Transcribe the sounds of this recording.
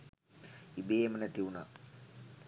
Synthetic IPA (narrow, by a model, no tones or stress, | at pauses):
ibeːmənət̪iuna̰